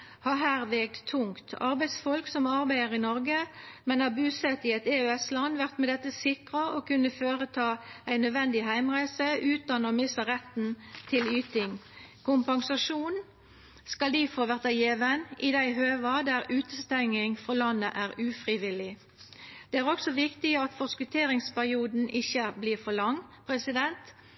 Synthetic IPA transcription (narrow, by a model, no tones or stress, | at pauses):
hɑɦæːʁʋeɡ̚t̪t̪ʰːʊŋt̪ʰɑ̰ʁbæɪd̪sfɔlksɔmɑʁbæɪəʁɪnɔʁɡəmɛnɑbʉːsɛt̪ɪɛt̪eːʉɛslɑnʋæʁt̪mɛd̪ɛt̪ːəsɪkʁɑoːkʉnːəføːʁət̪ʰɑːæɪnːœd̪ʋɛnd̪ɪɦæɪmʁæɪsəʉːt̪ɑnɔːmɪsəʁɛt̪n̩t̪ʰɪlyːt̪ɪŋkʰʊmpɑŋsɑʃuːn | skɑld̪ifoːʋæʁt̪ɑjeːʋənɪd̪æɪɦøːʋɑd̪æɾʉːt̪əst̪ɛŋːɪŋfɔʁlɑnːə̰ʔæːʁʉːfʁɪʋɪlɪ | d̪̥eːæːʁɔksɔʋɪkt̪ɪɑt̪fɔskʉt̪ʰeːʁɪŋspæʁɪuːd̪n̩ʔɪçəbliːʁfɔlɑŋːpʰʁɛsɪd̪ɛnt̪